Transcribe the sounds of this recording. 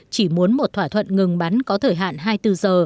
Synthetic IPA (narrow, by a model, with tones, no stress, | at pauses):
t͡ɕi˧˩mu˨˦ənmo˨˩t̚t̪waː˧˩t̪ʰwə̰˧˨nŋɨ˨˩ŋɓa˨˦nkɔ˨˦t̪ʰəː˧˩jɦa̰ː˧˨nɦaː˧jt̪ɨ˧zəː˨˩